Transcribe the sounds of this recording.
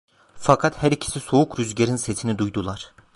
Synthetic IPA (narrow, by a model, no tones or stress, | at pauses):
fakʰat̪hæɾicʰi̥sisoukɾyzɟeɾinse̞t̪ʰinid̪ujd̪ulˠaɾ̥